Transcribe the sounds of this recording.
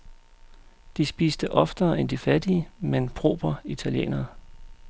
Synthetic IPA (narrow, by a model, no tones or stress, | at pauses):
d̥isb̥ḭːsd̥əʔɒ̽fd̥ɐːʔend̥ifæd̥iəmenpʰʁo̝̰ːb̥ɐit͡sʰæljḛːnɐ